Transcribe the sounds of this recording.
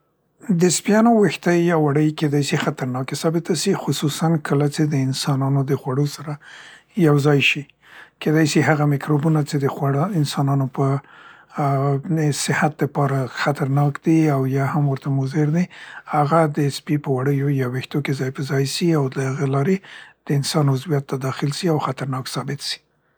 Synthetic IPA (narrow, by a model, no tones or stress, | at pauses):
d̪əspijɑnowext̪əjjɑwaɽəjked̪ɑjsixat̪aɾnɑkesɑbɪt̪asixʊsusankʰəlat͡ʃed̪əɪnsɑnɑnod̪əxwaɽosaɾa | jawzɑjʃi | ked̪ɑjsiɦaɣamɪkɾobunat͡ʃed̪əxaɪnsɑnɑnopə | sɪhat̪̚d̪əpɑɾaxat̪aɾnɑkd̪iawjɑhamwəɾt̪amʊzeɾd̪ihaɣad̪əspipəwaɽəjojɑwext̪okezɑjpəzɑjsiawlahaɣelɑɾed̪̥əɪnsɑnʊzwijat̪ːad̪ɑxɪlʃiawxat̪aɾnɑksɑbɪt̪si̥